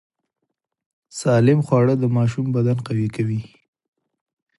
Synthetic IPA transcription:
sɑlɪmxwɑɽəd̪əmɑʃumbad̪anqawikawi

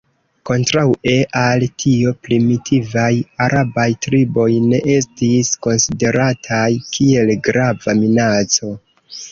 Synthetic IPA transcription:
ko̞ntɾawe̞ʔaltʰio̞pɾimitʰivajaɾabajtɾibo̞jne̞ʔe̞stisko̞nside̞ɾatʰajkʰie̞lɡɾavaminat͡so̞

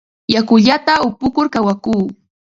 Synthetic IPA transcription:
jakʊʎat̪aʊpʊkʊɾkawakuː

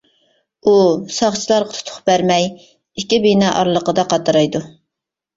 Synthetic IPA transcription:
usɑχt͡ʃʰilˠɑɾʁɑt̪ʰu̥t̪ʰʊ̥χbæɾmɛj | ikʲːibinɛʔɑ̰ɾlˠəqəd̪ɑqɑt̪ɑɾɑjd̪u

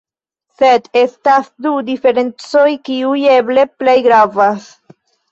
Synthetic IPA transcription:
se̞de̞stasdudife̞ɾe̞nt͡so̞jkiuje̞ble̞ple̞jɡɾavas

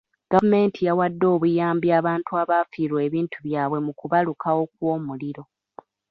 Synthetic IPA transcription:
ɡ̥avume̞ːntʰijawadːo̞ːβujaːmbjaːβaːntuaβaːfiːɾwe̞βiːntʰuβjaːβwe̞mukuβalukʰawo̞k̚wo̞ːmuliɾo̞

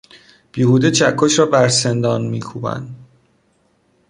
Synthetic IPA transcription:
b̥iːhuːd̪et͡ʃʰækʰːoʃɾɒːbæɾsend̪ɒːnmiːkʰuːbæ̰nd̪

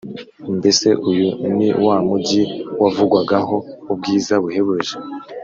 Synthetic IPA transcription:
mbese̞ʔujunḭwamuɟiwavuɡwaɡaɦo̞ub̚ɡiːzaβuheβuʒe

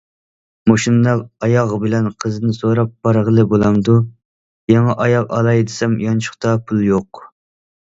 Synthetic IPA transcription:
moʃinːɑqɑjɑʁbɪlɛnqʰəzɨnɪsoɾɑp̚bɑɾʁəlˠɨbolˠɑmd̪u | jɑŋɛʔɑjɑqɑ̰lˠɑjd̪ɪsɛmjɑnt͡ʃʰʊ̥χt̪ɑpʰulˠjoq

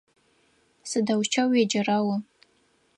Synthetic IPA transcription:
sadawt͡ʃʰawad͡ʒarawa

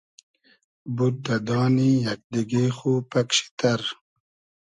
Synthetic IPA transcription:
bud̪ɐd̪ɑːnijak̚d̪iɡiχupakɕi̥t̪aɾ

